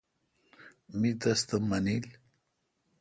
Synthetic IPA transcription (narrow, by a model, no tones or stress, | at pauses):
mit̪ast̪amɐnil